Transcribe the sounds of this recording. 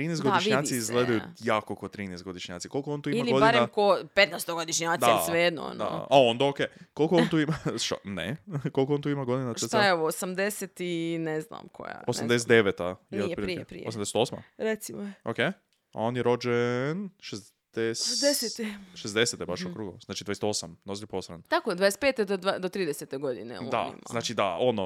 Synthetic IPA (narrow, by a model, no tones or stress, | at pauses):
t̪ɾinɛjst̪ɡoiʃiɲaːt̪iizɡleajujaːkokot̪ɾiːnest̪ɡo̞d̪iʃɲa̰ːt̪sikolˠkoont̪uːimialiɡod̪ianɾeamkopet̪nɛjst̪oɡod̪iʃɲad̪aijesʋed̪no̰nd̪a̰ao̞nd̪aokekolˠkoont̪uimaʃt̪a̰nḛkolkoont̪uimaɡo̞d̪inaesajeoʋoosamd̪eset̪inezna̰mkʰo̰ja̰osamd̪es̬et̪d̪eʋet̪ajneepiɾiepɾḭeosamd̪eset̪osma̰ɾet̪simooke | aonjeɾod͡ʒenʃez | d̪̥esd̪eset̪eʃezd̪eset̪ebaʃokɾuɡozaːt͡ʃid̪vajeset̪osamnozliposɾa̰nt̪akod̪ad̪eset̪peːt̪ed̪od̪ad̪ot̪ɾiːd̪eset̪eɡod̪ḭnḛoa̰ḭmmaznaːt͡ʃid̪a̰ono